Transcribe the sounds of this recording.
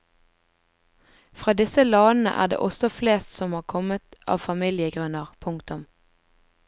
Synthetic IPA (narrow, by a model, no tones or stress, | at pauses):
fʁɑːd̪ɪsəlɑːnn̩ə̰ʔæ̰ːd̪ḛːʔɔsɔfleːst̪sɔmhɑːʁkʰɔmət̪ʔɑ̰ːʋfɑmiːlɪəɡʁʉnəʁpʰʊŋkt̪ʊm